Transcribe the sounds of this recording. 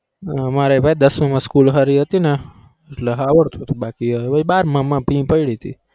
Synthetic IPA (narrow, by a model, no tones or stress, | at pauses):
maɾebʱajd̪əsməmãskulɦəɾiɦət̪ine | eʈleɦaʋəɽt̪ʰut̪ʰubakiɦəbʱaibaɾməmãbʱĩpəiɽit̪ʰḭ